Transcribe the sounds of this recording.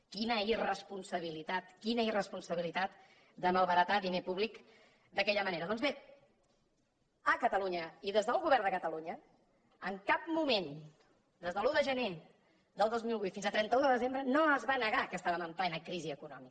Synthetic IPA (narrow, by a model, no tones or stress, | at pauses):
kinəirəspunsəβ̞ilit̪at̪kinəirəspunsəβilit̪at̪ | d̪əməlˠβəɾət̪aðinepuβlik | d̪əkɛʎəməneɾəðɔnzβe | əkət̪əluɲəiðezðəlˠɣuβɛrnd̪əkət̪əluɲə | əŋkap̚mumen | d̪ezðəlˠuðəʒəne | d̪əlˠd̪ozmilˠβujt̪finzəlˠt̪ɾɛnt̪əuðəðəzembɾənoəzβanəɣakəst̪aβəməmp̪ajnəkɾiziəkunɔ̰mik